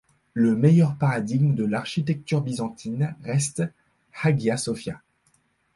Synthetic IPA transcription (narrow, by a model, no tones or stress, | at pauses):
ləmejœʁpaʁad̪iɡmd̪əlaʁʃit̪ɛk̚t̪yʁbizɑ̃t̪ʰinʁɛst̪ | haɡjasɔfja